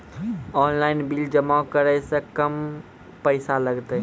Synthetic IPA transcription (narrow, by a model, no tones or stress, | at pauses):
ɔːnlaɪnbild͡ʒəmakəɾəsə̃kəm | pəɪsaləɡt̪ə